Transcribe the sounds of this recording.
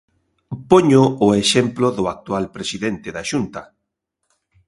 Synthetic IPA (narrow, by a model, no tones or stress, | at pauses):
poɲʊʊeʃemplʊðʊak̚t̪ualpɾesiðent̪ɪðaʃunt̪ɐ